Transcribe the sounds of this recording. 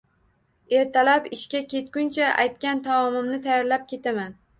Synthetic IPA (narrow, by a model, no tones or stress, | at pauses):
e̞ɾt̪ʰalapɪʃkʲakʲʰe̞t̪̚kʲʊnt͡ʃʰaʔa̰jt̪̚kʲant̪ʰamɒmɪmnɪt̪ʰajaɾlap̚kʲʰe̞t̪aman